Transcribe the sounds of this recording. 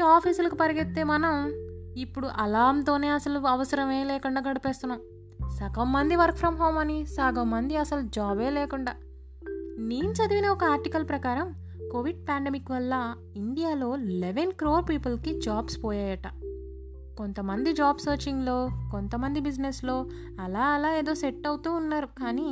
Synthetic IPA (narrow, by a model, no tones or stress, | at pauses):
aːpʰiːsulɐkupɐɾiɡet̪ːe̞ːmɐnɐmipːuɽuʔɐlaːnt̪o̞ːne̞ːɐsɐluɐʋɐsɐɾɐmeːleːkuɳɖaːɡɐɽipeːst̪unːaːm | sɐkɐmːɐnd̪iʋɐɾkpʰɾɐmɦo̞ːmɐnisɐɡɐmːɐnd̪iɐsɐlud͡ʒaːbe̞ːleːkuɳɖaː | niːɲt͡ʃɐd̪iʋinɐɔkɐaːɾʈikɐlpɾɐkaːɾɐm | koʋiɖ̚paːɳɖemikʋɐlːɐ | iɳɖijaːlo̞ːleʋenkɾoːɾpiːpɐlkid͡ʒaːbspɔːjaːjɐʈɐ | ko̞nt̪ɐmɐnd̪id͡ʒaːbsɐːɾt͡ʃiŋɡloːkont̪ɐmɐnd̪ibid͡ʒneslo̞ː | ɐlaːɐlaːe̞ːd̪o̞ːseʈːɐwut̪uːnːaːɾukaːni